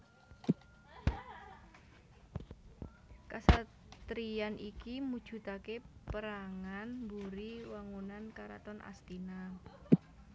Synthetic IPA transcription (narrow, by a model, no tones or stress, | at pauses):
kasa | t̪ɾianikimud̥ʒ̥ṳt̪akepəɾaŋanmbuɾiwaŋunankaɾa̰t̪ɔnʔa̰st̪ina